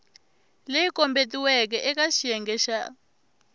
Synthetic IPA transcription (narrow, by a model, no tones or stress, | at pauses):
lejikɔmbetiwɛk̬ɛʔɛkaʃiɛŋɡɛʃa